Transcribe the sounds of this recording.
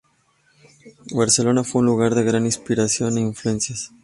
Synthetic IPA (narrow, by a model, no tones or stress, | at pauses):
baɾselo̞nafweunluɣaɾðeɣɾaninspiɾasjo̞neiɱflue̞nsjas